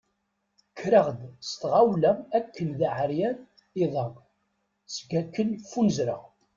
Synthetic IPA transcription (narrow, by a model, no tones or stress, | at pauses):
kʰːɾəʁd̪st̪ʁawlæmækːənðaʕəɾjæn | iðˤəʁ | sɡækːənfunəzɾə̰ʁ